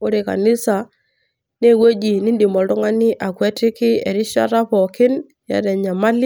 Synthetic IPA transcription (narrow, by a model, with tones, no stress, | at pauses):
ʊ˦ɾe˨ka̰˨nɪ˦sa˨ | ne˦we˦d͡ʒi˨nɪ˦ndi˨mɔ˨ldʊ˦ŋa˦nɪ˦ʔa˨kwɛ˦tɪ˦kɪ˦ɛ̰˨ɾɪ˦ʃa̰˦ɾa˦pɔ˨kɪ˦n | ja̰˨dɛ˨ɲa˨ma˦lɪ˦